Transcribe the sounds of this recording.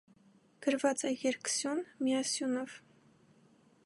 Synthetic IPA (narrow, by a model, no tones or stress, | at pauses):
ɡ̥əɾvɑt͡sɛjɛɾksjunmiɑsjunɔv